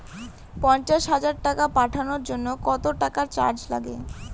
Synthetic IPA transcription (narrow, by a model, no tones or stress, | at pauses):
pɔɲt͡ɕaʃɦad͡ʑaɾʈakapaʈʰanoɾd͡ʑonːokɔt̪oʈakaɾt͡ɕa̰ɾd͡ʑla̰ɡḛ